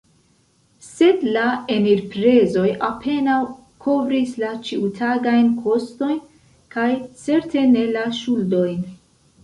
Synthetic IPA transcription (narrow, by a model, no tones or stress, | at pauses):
se̞dlae̞miɾpɾe̞zo̞japʰe̞naw | kʰo̞vɾislat͡ʃiutʰaɡajnkʰo̞sto̞jn | kajt͡se̞ɾte̞ne̞laʃuldo̞jn